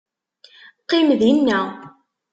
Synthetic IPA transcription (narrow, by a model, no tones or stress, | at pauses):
qːɪmðinːæ